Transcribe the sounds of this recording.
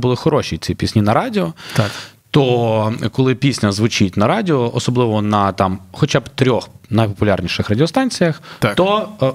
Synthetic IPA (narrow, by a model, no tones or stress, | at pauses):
bʊlˠɪxɔɾɔʃit͡sʲipʲisʲnʲinɐɾɑdʲɪɔt̪t̪ɔkɔlˠɪpʲisʲnʲɐzʋʊt͡ʃitʲnɐɾɑdʲɪɔʔɔsɔblˠɪʋɔnɐt̪ɑmxɔt͡ʃabt̪ɾʲɔxnɐjpɔpʊlʲarnʲiʃɪxrɐdʲɪɔst̪ɑnʲt͡sʲijɐxt̪ɔ